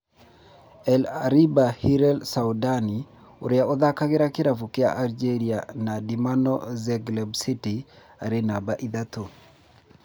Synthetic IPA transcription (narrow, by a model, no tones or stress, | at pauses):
ɛlaɾibahiɾɛlsawdani | oɾɪaoðakaɡɪɾakɪɾafukɪa̰ʔald͡ʒeɾianadimanɔ̰zɛɡlɛbsiti | aɾenabaʔiðat̪o